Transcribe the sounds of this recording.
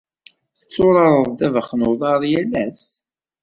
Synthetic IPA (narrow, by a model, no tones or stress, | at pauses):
θət͡sːʊɾˤɑɾˤəðˤd̪ævəχnoðˤɑɾˤjælːæs